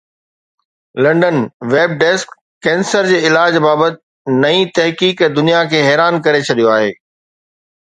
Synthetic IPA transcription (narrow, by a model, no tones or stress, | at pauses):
lɐ̃ɳɖənʋeːb̚ɖɛːskː | ɛ̃ːnsəɾd͡ʑeːɪlaːd͡ʑbaːbət̪ɪ | nɐĩt̪ɐɦkiːkɛd̪ʊnijakʰeːɦɛːɾaːnkɐɾet͡ɕʰɐɗ̪ijoaːɦeː